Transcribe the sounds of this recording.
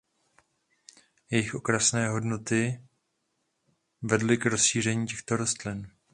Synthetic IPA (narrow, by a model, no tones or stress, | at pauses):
jɛjɪxʔo̞kɾasnɛːɦo̞dnot̪ɪ | vɛdlɪkɾo̞sʃiːr̝ɛɲiːcɛxt̪o̞ɾo̞st̪lɪn